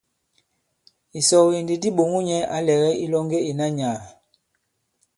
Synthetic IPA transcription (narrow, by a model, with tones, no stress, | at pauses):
i˨sɔ˨ɣi˨ndi˨di˦ɓo˨ŋu˦ɲɛ˦a˦lɛ˨ɣɛ˦i˦lɔ˦ŋɡe˦i˨na˦ɲaː˨